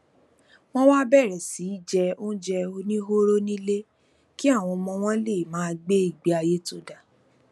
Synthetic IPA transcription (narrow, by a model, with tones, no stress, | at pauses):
w̃ɔ̃˦wa˦bɛ˦˨ɾɛ˨si˨˦i˦˨d͡ʒɛ˧o˦d͡ʒɛ˧o˧nĩ˦ɦo˦ɾo˦nĩ˦le˦ | ki˦a˦˨w̃ɔ̃˧mɔ̃˧w̃ɔ̃˦le˦˨mãː˨˦˧ɡ͡be˦i˦˨ɡ͡be˨˦a˧je˦to˦˨da˨